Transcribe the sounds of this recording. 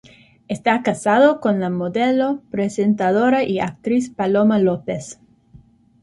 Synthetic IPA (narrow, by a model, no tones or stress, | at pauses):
est̪akasaðokonlamoðelopɾesent̪aðoɾaʔia̰k̚t̪ɾispalomalopes